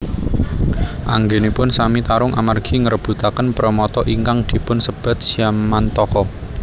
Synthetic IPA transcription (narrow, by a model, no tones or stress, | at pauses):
ʔaŋɡenipʊnsamit̪aɾʊŋʔamarɡ̥i̤ŋəɾəb̥ṳt̪akənpɾəmɔt̪ɔʔiŋkaŋd̪̥i̤pʊnsəb̥a̤t̪̚siammant̪ɔkɔ